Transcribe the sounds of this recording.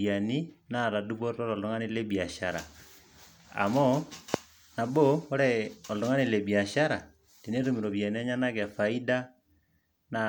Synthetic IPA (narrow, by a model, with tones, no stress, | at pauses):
ja˨ni˦na˦˨ɾa˨du˦βo˦ɾɾo˦ɾɔ˨lo˦ŋa˦ni˦le˦bi˨a˨ʃa˨ɾa̰˨ | a̰˨mɔ˦ | na˨boː˦ɾɛ˦o˨lo˨˦ŋa˦ni˦˨le˨bi˨a˨ʃa˦ɾa˨ | ti˨ne˦tu˦˨mi˨ɾo˨βja˨ni˦a˦ɲa˦na˦kɛ˨fa˨i˦da˦ | na˨